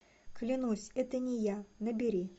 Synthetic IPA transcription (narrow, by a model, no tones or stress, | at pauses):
klʲɪnusʲɛt̪ənʲɪjanəbʲɪɾʲi